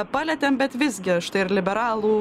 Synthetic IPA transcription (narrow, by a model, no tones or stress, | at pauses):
pɑːlʲɛt̪ʲɛmbʲɛt̪ʋʲɪzʲɡʲɪɐʃt̪ɐɪɪɾlʲɪbʲɛɾɑːlˠuː